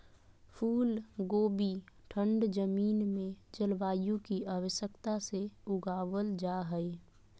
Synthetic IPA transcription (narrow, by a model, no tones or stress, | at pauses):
pʰuːlɡoːbiʈʰə̃ɳɖd͡ʒəmiːnmẽt͡ʃəlʋaːjũkiaːwəʃjəkt̪aseʊɡaːʋəld͡ʒaɦəe